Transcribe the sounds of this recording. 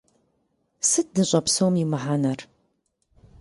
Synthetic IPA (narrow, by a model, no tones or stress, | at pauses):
sɨt̪̚nɨɕʼɐpsowmimɐħanɐr